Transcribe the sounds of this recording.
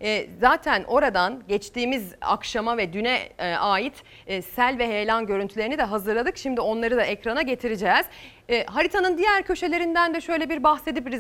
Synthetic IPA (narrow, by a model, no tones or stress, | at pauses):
ɛzaːt̪ʰænʔo̞ɾad̪anɟɛt͡ʃt̪ʰiːmiza̰kʃamavɛd̪ynɛʔaːjit̪ː | sælʲvɛɦejlʲanɟø̞ɾynt̪ʰylʲeɾinid̪ɛɦazɯɾlˠad̪ɯkʃimd̪io̞nlˠaɾɯd̪aʔɛcɾanaɟet̪ʰiɾid͡ʒɛːz̥ | ɦaɾit̪ʰanɯnd̪ijæɾcʰø̞ʃe̞lʲeɾind̪ænd̪ɛʃø̞jlʲebiɾbaxse̞d̪ipɾi